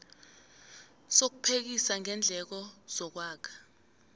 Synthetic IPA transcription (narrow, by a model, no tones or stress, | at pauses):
sok̬upʰek̬isaŋʱɛnd͡ɮʱɛk̬ɔz̥ɔk̬waːkʰɛ̥